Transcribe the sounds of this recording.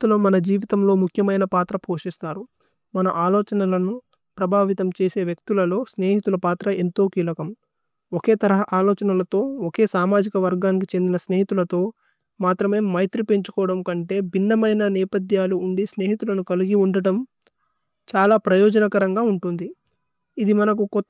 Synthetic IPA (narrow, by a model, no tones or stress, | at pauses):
t̪uloːmɐnɐd͡ʒiːʋit̪ɐmlo̞ːmukʰjɐmɐjnɐpaːt̪ɾɐpoːʂist̪aːɾu | mɐnɐʔaːlɔːt͡ʃɐnɐlɐnu | pɾɐbʱaːʋit̪ɐmt͡ʃe̞ːse̞ːʋjɐk̚t̪ulɐlo̞ːsne̞ːɦit̪ulɐpaːt̪ɾɐe̞nt̪o̞ːkiːlɐkɐm | oke̞ːt̪ɐɾɐɦɐʔaːlɔːt͡ʃɐnɐlɐt̪o̞ːoke̞ːsaːmaːd͡ʒikɐʋɐɾɡaːnik̬it͡ʃe̞nd̪inɐsne̞ːɦit̪ulɐt̪o̞ː | maːt̪ɾɐme̞ːmːɐjt̪ɾipeɲt͡ʃu̥kɔːʋɐɽɐmkɐɳʈe̞ːbʱinːɐmɐjnɐnɛːpɐd̪jaːluːɳɖisne̞ːɦit̪ulɐnukɐliɡiuɳɖɐɽɐm | t͡ʃaːlaːpɾɐjɔːd͡ʒɐnɐkɐɾɐŋɡaːuɳʈund̪i | id̪imɐnɐk̬ukɔ